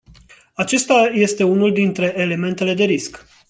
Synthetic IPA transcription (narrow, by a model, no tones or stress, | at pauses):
at͡ʃe̞st̪aje̞st̪e̞unuld̪int̪ɾe̞ʔːle̞me̞nt̪e̞le̞d̪e̞ɾisk